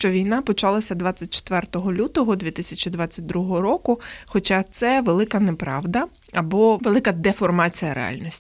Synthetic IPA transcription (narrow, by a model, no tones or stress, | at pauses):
ʃt͡ʃɔʋʲijnɑpɔt͡ʃɑlˠɐsʲɐd̪ʋat͡sʲːɐt̚ʲt͡ʃe̥t̪ʋɛrt̪ɔɦɔlʲut̪ɔɦɔd̪ʲʋʲit̪ɪsʲɐt͡ʃid̪ʋat͡sʲːɐt̚ʲd̪ɾuɦɔɦɔɾɔkʊxɔt͡ʃɑt̪sɛʋelˠɪkɐnepɾɑʋd̪ɐ | ɐbɔʋelˠɪkɐd̪efɔrmɑt͡sʲijɐɾʔḛɑ̰lʲnʲisʲtʲ